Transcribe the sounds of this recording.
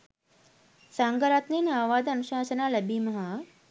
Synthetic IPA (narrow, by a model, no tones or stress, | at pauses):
saːŋɡɐɾaːt̪niːnaːʋaːd̪ɐnuʃaːsɐnaːlɐbimɐɦa